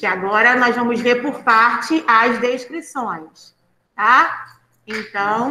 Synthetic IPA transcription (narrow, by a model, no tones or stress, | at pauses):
kɪaɡɔɾɐnɔzvɐ̃mʊzveɾpʊɾpaɾt͡ʃɪʔɐzd̪eʃkɾisõj̃s | t̪a | ẽnt̪ɐ̃w̃